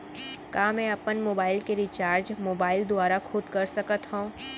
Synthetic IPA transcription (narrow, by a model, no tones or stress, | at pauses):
kaːmɛ̃ːɐpənmoːbaːɪlkeɾiːt͡ʃaːɾd͡ʒmoːbaːɪld̪ʊaːɾaxʰʊd̪kɐɾsɐkət̪ɦõ